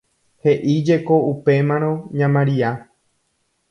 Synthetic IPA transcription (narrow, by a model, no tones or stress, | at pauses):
he̞ʔid͡ʒe̞koupe̞mãɾ̃õɲãmãɾia